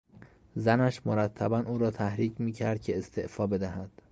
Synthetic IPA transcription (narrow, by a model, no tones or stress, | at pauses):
zænæʃmoɾæt̪ʰːæbænʔuːɾɒːt̪ʰæhɾiːcmiːcʰæɾd̪̥̚cʰeest̪ʰe̞ʔfɒːbe̞d̪æhæd̪̥